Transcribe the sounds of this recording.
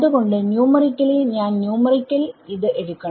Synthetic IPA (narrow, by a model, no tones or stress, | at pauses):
ðɯɣo̞ɳɖɨnjuːmɐrikʲːɐliɲaːnnjuːmɐrikʲːɐliðɨʔeɻukːɐɳ